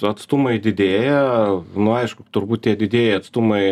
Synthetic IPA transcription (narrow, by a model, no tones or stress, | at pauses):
ɐt̪st̪ʊmɐɪd̪ʲɪd̪ʲeːjɛnʊɐɪʃkʊt̪ʊɾbuːt̪tʲiɛd̪ʲɪd̪ʲeːjɛɐt̪st̪ʊmɐɪ